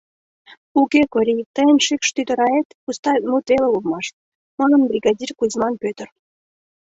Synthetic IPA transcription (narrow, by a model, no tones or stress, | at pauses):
ukʲekoɾʲit̪əjənʲʃikʃt̪yt̪ə̆ɾɑet̪pust̪ɑmut̪elelumɑʃt̪̚ | mɤ̆nə̆nbrʲiɡɑd̪ʲirkuzmɑnpʲøt̪ə̆r